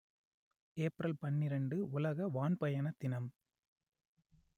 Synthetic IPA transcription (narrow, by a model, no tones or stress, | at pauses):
eːpɾɐlpɐɳːɪɾɐɳɖɯʊlɐɣɐʋaːnpɐjɐnɐt̪ːɪnɐm